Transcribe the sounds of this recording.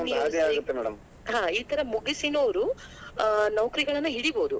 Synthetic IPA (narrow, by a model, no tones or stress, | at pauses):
iaːjaːɡut̪ːemɛːɽɐ̰m | ɦãːiːt̪ɐɾɐmuɡisinoːʋɾu | nɐʋkɐɾiɡɐɭɐnːuɦiɽiboːd̪u